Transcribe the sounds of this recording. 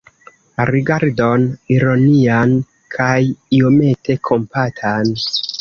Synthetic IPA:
ɾiɡaɾdo̞niɾo̞nian | kʰajio̞me̞te̞kʰo̞mpatʰan

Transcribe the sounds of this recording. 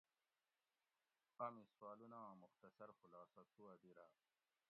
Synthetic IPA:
pamiswɑːlunɑ̃ːmuxt̪ɐsɐɾxulɑːsɐt̪ʰuwɐb̪iɾa

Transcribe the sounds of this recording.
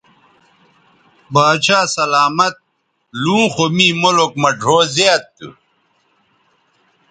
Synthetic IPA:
baːt͡ɕʰaːsɐlaːmɐt̪̚ | lũːxomiːmolok̚mɐɖʱoːzeat̪ːṵ

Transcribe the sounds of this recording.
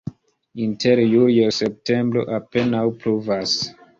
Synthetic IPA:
intʰe̞ɾjuljose̞p̚te̞mbɾo̞̰ʔape̞nawpɾuvas

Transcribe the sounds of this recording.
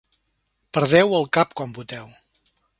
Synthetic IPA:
pəɾðɛwəlˠkapkɔmbut̪ɛw

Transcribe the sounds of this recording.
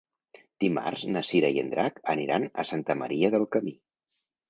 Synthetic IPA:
d̪̥ima̰rznəsiɾəjə̰nd̪ɾakəniɾanə̰sant̪əməɾiəðəlˠkəmi

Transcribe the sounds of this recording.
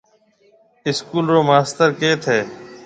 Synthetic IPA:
ɪskuːlɾoːmaːst̪əɾkeːt̪ʰeː

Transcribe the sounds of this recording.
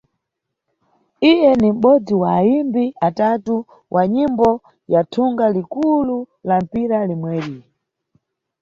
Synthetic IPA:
ijɛnim̩ɓɔd͡ziwaːimbiʔatatu | wʔaɲimbɔ | jatʰuŋɡalikulu | lam̩piɾalimwɛɾi

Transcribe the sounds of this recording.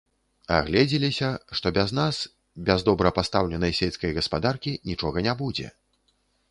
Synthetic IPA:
a̰ɣlʲɛd͡zʲilʲisʲɐʂt̪ɔbʲaznas | bʲazd̪ɔbɾɐpast̪awlʲɛnɐjsʲejʲskɐjɣɐspad̪arkʲinʲit͡ʂɔɣɐnʲabud͡zʲɛ̰

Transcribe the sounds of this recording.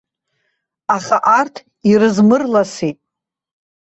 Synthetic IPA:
aχaʔartʰ | irɨzmɨrlasitʼ

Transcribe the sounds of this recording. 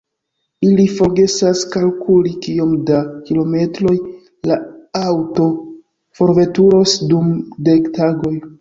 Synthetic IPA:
ilifo̞ɾɡe̞saskalkulikio̞mdakilo̞me̞tɾo̞j | laawto̞ | fo̞ɾve̞tuɾo̞sdumde̞ktaɡo̞j

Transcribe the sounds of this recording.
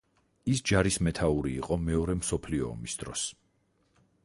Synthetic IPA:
isd͡ʒaɾismɛt̪ʰauɾiːqʼɔmɛɔɾɛmsɔpʰliɔ̰ːmisd̪̥ɾɔs

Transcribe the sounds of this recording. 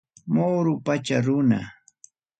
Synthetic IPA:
moːɾʊpat͡ʃaɾʊna̰

